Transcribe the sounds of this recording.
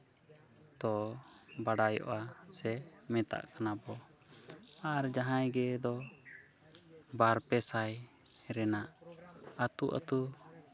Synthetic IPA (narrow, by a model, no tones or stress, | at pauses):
t̪ɔbaɽajɔ̰ʔasɛmɛ̃t̪a̰ʔkanabɔ | aɾd͡ʒaɦãjɡɛd̪ɔ | baɾpɛsaj | ɾɛnaʔat̪uʔa̰t̪u